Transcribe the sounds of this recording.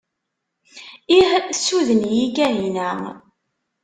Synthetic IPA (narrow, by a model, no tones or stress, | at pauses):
ihsuðənjiɡæɦinæ